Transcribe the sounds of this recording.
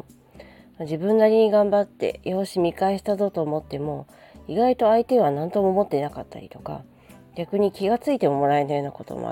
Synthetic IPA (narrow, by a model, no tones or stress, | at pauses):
mad͡ʑibɯ̟̃nːaɾʲiɲ̟iɡãmbat̪ːe̞̰jo̞ːɕimʲikaeɕi̥t̪azo̞t̪o̞ːmo̞t̪ːe̞mo̞ | iɡait̪o̞ait̪e̞βanãnt̪o̞mo̞mo̞t̪ːe̞nakat̪ːa̰ɾʲit̪o̞̥ka̰ | ɡ̥ʲakɯ̟ɲ̟ikʲiɡat͡sɨit̪e̞mo̞mo̞ɾaenajo̞ːnako̞t̪o̰mo̰a̰